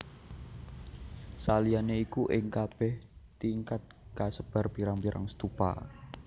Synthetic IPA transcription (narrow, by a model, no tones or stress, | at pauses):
salianeikuʔɪŋkab̥ɛht̪iŋkat̪̚kasəb̥a̤rb̥iɾaŋpiɾa̰ŋsə̥t̪upa̰